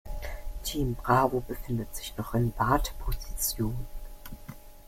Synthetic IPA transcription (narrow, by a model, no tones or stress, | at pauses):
tʰiːmbʁaːvobəfɪndətz̥ɪçnɔχɪnb̥aːtpʰozit͡sjoːnə